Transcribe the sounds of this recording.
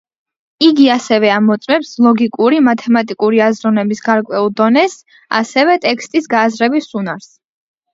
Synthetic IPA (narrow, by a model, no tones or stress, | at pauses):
iɡiasɛvɛamɔt̪sʼmɛpslˠɔɡikʼuɾimat̪ʰɛmat̪ʼikʼuɾiazɾɔnɛbisɡaɾkʼwɛulˠd̪ɔnɛs | a̰sɛvɛt̪ʼɛkʰst̪ʼisɡaːzɾɛbisunaɾs